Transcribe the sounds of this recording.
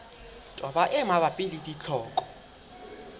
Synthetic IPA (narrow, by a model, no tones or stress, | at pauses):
tʼɔɓaʔɛmaɓapʼilitʼit͡ɬʰɔːkʼɔ̥